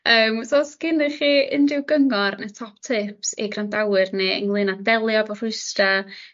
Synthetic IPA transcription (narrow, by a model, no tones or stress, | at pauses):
əːmsosɡ̥ɪnɪχiːʔənrɪwɡəŋɔrnətʰɔp̚tʰɪpsḭɡrandawɨrneə̰ŋlˠɨnadɛlˠjɔvɔr̥ʊɨsta